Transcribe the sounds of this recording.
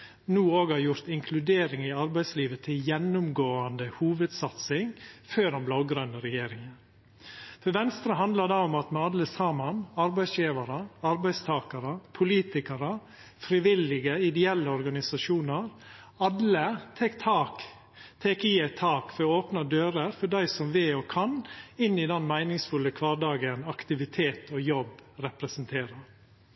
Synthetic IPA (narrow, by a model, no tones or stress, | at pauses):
nuːoːɡhɑɾjʊɾt̪ɪŋkʰlʉd̪eːɾɪŋɪɑɾbæɪsliːʋət̪ʰɪljɛnːʊmɡoːɑnd̪əhuːʋəd̪sɑt̪sɪŋføːdɛnblɑʊɡɾœnəɾɛjeːɾɪŋən | fɔʋɛnst̪ɾəɦɑnd̪lɑd̪ɑːʊmɑt̪mɛɑləsɑːmɑnɑɾbæɪsjiːʋɑɾəɑɾbæɪst̪ʰɑːkɑɾəpʰʊliːt̪ɪkɑɾə | fɾɪʋɪlɪɡəɪd̪ɛɛlːəɔɾɡɑnɪsɑʂuːnəɾ | ɑlːət̪ʰɛkt̪ʰɑːk | t̪ʰɛkiːæɪt̪ʰɑːkfɔɾoːpnɑd̪øːɾəɾfɔɖæɪsɔmʋɪɔkʰɑnɪnːɪd̪ɛnmæɪnɪŋsfʉləkʰʋɑːɖɑːɡənɑkt̪ɪʋɪt̪ʰeːt̪ʰɔjɔbɾɛpɾɛsənt̪ʰeːɾəɾ